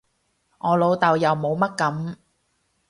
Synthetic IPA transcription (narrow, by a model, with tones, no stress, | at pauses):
ŋɔː˨˧lo˨˧wt̪ɐ˨wjɐ˨wmo˨˧wmɐ˥t̚kɐ˨˥m